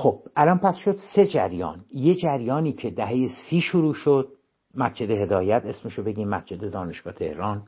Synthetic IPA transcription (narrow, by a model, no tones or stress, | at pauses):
xob̥ʔælɒnpʰæsʃod̪se̞d͡ʒæɾjɒ̰ːnje̞d͡ʒæɾjɒːniːcʰe̞d̪æɦe̞jesiːʃoɾuːʃod̪̥̚ | mæsd͡ʒʰed̪eɦe̞d̪ɒːjæt̪ʰe̞smeʃobe̞ɟiːmːæsd͡ʒʰe̞d̪ed̪ɒːneʃɡ̥ɒːt̪ʰe̞̰hɾɒːn